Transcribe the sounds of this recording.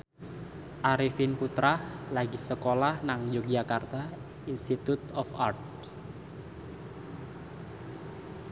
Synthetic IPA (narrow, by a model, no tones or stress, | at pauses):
ʔaɾifinput̪ɾahlaɡisəkolahnaŋjok̚d͡ʒakart̪a | inst̪it̪ut̪ɔfart̪̚